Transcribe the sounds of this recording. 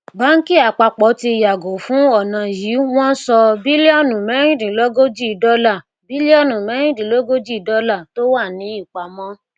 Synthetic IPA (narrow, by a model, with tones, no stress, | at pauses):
ba˨˦ŋ̩˦ki˦a˨k͡pa˧k͡pɔ˨˦ti˧˨ja˨ɡo˨fũ˨˦ɔ˦˨nã˨ji˨˦w̃ɔ̃˦n̩˦sɔ˧bi˦li˦ɔ˦˨nũ˨mɛ˨˦ɾ̃ĩ˦˨dĩ˨lo˦ɡo˦d͡ʒi˦˨dɔ˦la˦˨ | bi˦li˦ɔ˦nũ˨mɛ˨˦ɾ̃ĩ˦dĩ˨lo˦ɡo˦d͡ʒi˦˨˦dɔ˦la˦˨to˦wa˦˨nĩ˨˦i˦˨k͡pa˨˦mɔ̃˦